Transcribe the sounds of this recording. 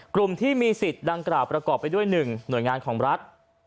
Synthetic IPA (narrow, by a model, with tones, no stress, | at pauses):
klu˨˩mt̪ʰiː˥˩miː˧si˨˩t̪̚da˧ŋklaː˨˩wpɾa˧kɔː˨˩pːa˧jdu˥˩əjnɯ˨˩ŋnu˨˩əjŋaː˧nkʰɔː˩˦ŋɾa˦˥t̪̚